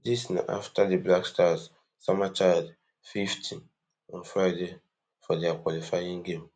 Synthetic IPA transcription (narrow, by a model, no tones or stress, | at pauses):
disna̰ʔa̰ftʰadeblakstas | samat͡ʃad | fiftʰĩn | ɔ̃nfɾajde | fɔdeakʷwalifaĩŋɡẽm